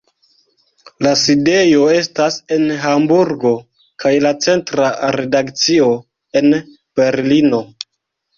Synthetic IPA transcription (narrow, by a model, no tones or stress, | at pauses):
laside̞jo̞e̞stase̞nɦambuɾɡo̞ | kʰajlat͡se̞ntɾaɾe̞dakt͡sio̞ | e̞n | b̥e̞ɾlino̞